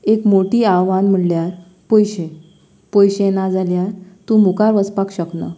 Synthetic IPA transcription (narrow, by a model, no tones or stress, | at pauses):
ekmoʈiːaʋanm̤əɳljaɾ | pojɕe | pojɕenad͡zaljaɾt̪ũmukaɾʋəspakɕəknə̰